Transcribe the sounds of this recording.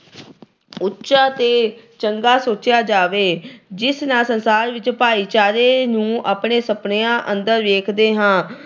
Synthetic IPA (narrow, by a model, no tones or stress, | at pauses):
ʊtːʃaːt̪eːt͡ʃəŋɡaːsoːt͡ʃjaːd͡ʒaːʋeːd͡ʒɪsnaːsənsaːɾʋɪt͡ʃpaːiːt͡ʃaːɾeːnũːʔaːpɳeːsəpɳeãːʔənd̪əɾʋeːkʰd̪eːɦãː